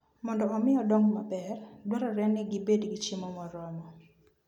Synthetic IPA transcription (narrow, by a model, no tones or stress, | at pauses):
mɔndɔɔmɪɔdɔŋmabɛrdwaɾɔɾɛnɪɡɪbedɡit͡ʃimɔmɔɾɔmɔ